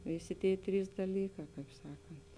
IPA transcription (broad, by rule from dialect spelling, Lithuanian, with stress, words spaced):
ˈʋʲeːˌsʲeː ˈtʲeːɪ ˈtʲrʲiːs dɐˈlʲiːkɑː ˈkɐɪp ˈsɑːkɐnt